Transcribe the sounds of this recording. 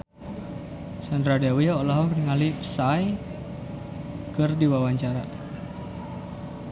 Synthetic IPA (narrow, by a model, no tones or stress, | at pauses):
sand̪ɾadawiaolaɦɔkriŋalipsaj | kərdiwawaɲt͡ʃaɾa